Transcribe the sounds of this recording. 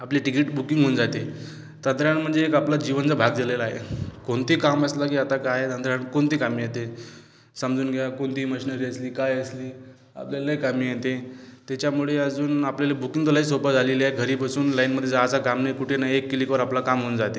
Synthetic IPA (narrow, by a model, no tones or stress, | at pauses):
apliʈikiʈbukiŋɡɦond͡zat̪e | t̪ə̃nd̪ɾaɳm̤əɳd͡zeːkaplad͡ʑiʋənt͡sabʱaɡd̪elelaɦḛkoɳt̪iːkaməslakiːat̪akaɦet̪ənd̪ɾjaɳkoɳt̪iːkamiːjet̪e | səmd͡zuːnɡʱejakoɳt̪iːməɕiːnəɾiːəsliːkajəsliː | a̰pljaləjkamiːjet̪et̪jet͡ɕjamuɭeəd͡zuːnapljalebukiŋɡt̪olaɦisobət̪d͡zʱaleliaeɡʱəɾiːpasuːnlainməd̪ʱːjed͡zat͡sakamnekuʈʰenaekːilikəɾaplakamɦond͡zat̪e